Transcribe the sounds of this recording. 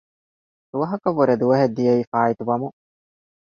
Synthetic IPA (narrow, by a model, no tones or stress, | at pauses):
d̪̥uʋɐɦɐkɐʋːuɾed̪uʋɐɦed̪ːijɐiːfaːit̪uʋɐmu